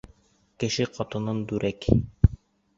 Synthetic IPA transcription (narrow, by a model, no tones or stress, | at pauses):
kɘ̆ʃɘqɒt̪ɤ̆nɤnd̪ʉɾʔæk